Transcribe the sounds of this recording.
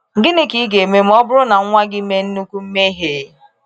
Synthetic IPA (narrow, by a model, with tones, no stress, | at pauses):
ŋ̩˨ɡɪ˦nɪ˨ki˨˦ɡe˨me˦m̩˦ɔ˦bʊ˦ɾʊ˦na˨ŋ̩˦ŋʷa˦ɡɪ˦me˦n̩˦nu˦kʷu˦m̩˦me˦ɦe˨˦